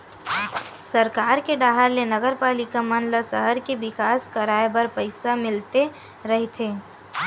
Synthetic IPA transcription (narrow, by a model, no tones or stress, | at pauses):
sɐɾkaːɾkeɖaːɦəɾlenɐɡəɾpaːlɪkamənləsəɦəɾkeʋɪkaːskɐɾaːebɐɾpəɪsamɪlt̪e | ɾɐɦet̪ʰeː